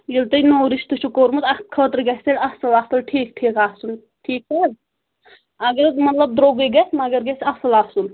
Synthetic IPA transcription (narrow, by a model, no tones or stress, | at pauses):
jilt̪ɐjnoːɾist̪ut͡ʃʰukoɾmut̪ɐkʰəːt̪ɾɡɐsɐlʲɐsɐlaːsɐlʈʰiːk̚ʈʰiːkaːsun | ʈʰiːkɐ | ɐɡɐɾmɐt̪lɐb̚d̪ɾoɡiɡɐsmɐɡɐɾɡɐsɐsɐlasun